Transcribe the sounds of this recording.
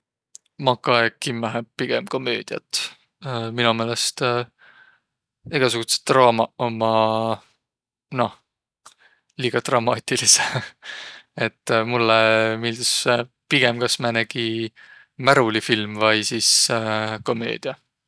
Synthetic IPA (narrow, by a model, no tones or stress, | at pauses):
mɑkːˑɑekːimːæɦepiɡ̥emko̞møːd̪̥iɑ̰t̪ː | minume̞ːle̞st̪ | iɡ̥ɑsuɡ̥use̥t̪ːrɑːmɑomɑ | no̞h | liːɡ̥ɑt̪rɑmɑːt̪ʲːilise | et̪ːmulːemild̪̥us | piɡ̥emkɑsmɑnæɡ̥i | mæɾulifilmvɑjsisko̞mø̞̰ːd̪̥iɑ